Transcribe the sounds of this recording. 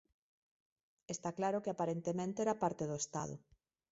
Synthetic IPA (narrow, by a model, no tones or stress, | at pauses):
est̪aklaɾʊkeapaɾent̪emẽnt̪eɛɾapaɾt̪eðoest̪a̰ðʊ̰